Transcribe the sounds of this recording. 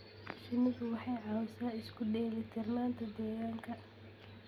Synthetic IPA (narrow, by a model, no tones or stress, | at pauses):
ʃɪnɪðʊwɑħɑjʕɑːwsaːɪskʰʊɖɛːlɛt̪ʰɪrnaːnt̪ʰɐd̪ɛːɣaːŋkʰɐ